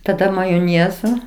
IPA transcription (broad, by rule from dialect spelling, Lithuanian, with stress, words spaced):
tɐˈdɐ mɐjoːˈnʲeːzoː